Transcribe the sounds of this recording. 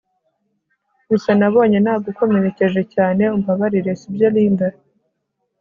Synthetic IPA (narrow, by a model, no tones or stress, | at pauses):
ɡusanaβo̞ːɲe̞nhaːɡuko̞meɾe̞ce̞ʒe̞caːne̞umbaβaɾiɾe̞sibjoliːnda